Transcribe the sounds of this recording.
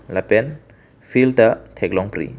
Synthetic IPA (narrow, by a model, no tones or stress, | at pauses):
lapɛn | pʰiltɐtʰeklɔŋpɾḭ